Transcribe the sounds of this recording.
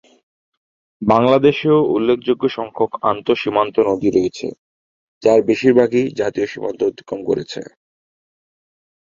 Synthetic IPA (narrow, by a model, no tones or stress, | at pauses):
baŋlad̪eʃeoulːekʰd͡ʑoɡːoʃɔŋkʰoka̰nt̪oʃimant̪onod̪ʱiɾoet͡ɕʰḛ | d͡ʑaɾbeʃiɾbʱaɡid͡ʑat̪ioʃimant̪ood̪ʱi̥kɾomko̰ɾḛt͡ɕʰḛ